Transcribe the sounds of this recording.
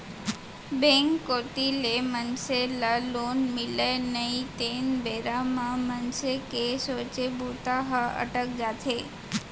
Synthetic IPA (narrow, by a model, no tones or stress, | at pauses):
beŋkːoʈilemənselalonmilenəit̪enbeɾamãmənsekesot͡ʃebʱut̪aɦəə̰ʈək̚d͡ʒat̪ʰe